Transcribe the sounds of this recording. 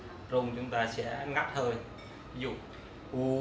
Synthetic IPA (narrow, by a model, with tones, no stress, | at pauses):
zo˧ŋ͡mt͡ɕʊ˨˦ŋ͡mt̪aː˧sɛ̰˧˥ŋa˦˥t̚hʰəː˧˩j | i˦zṵ˧˨ | ʔu˧˦